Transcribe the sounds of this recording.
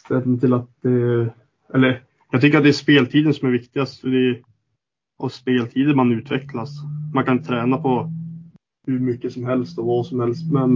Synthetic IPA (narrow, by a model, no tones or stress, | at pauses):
st̪ɛlət̪ʰɪlat̪̚d̪ɛ | ɛlːəɾ | jɑɡt̪ʰʏkːəɾat̪̚d̪ɛæʂspeːlt̪ʰiːd̪ənsɔmæɾvɪkt̪ɪɡast̪fœɖɛ | ɑspeːlt̪ʰiːd̪əmanʉ̟ːt̪ʰvɛklasmankʰanɪnət̪ʰɾɛːnapʰɔ | hɵɾmʏkːəsɔmɦɛlst̪ɔvasɔmhɛlst̪mɛn